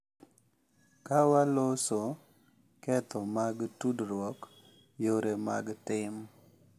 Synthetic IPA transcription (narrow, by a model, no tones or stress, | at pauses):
kawaloso | kɛt̪ɔmaɡtudɾwɔk | joɾema̰ɡtɪm